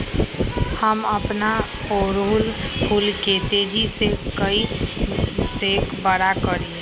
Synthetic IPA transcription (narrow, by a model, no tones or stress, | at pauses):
həməpna | oɾulpʰulket̪ed͡ʒisekəi | sekbəɽakəɾĩ